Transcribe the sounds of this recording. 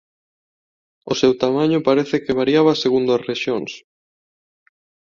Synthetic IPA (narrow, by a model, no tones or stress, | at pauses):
osewt̪amaɲʊpaɾeθɪkeβ̞aɾjaβ̞aseɣund̪ʊasreʃjoŋs